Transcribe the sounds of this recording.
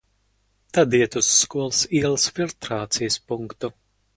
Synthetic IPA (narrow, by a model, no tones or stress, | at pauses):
t̪ad̪iɛt̪usːkuɔlˠsiɛlˠɐsfʲilˠt̪ɾaːt̪sijəspuŋkt̪u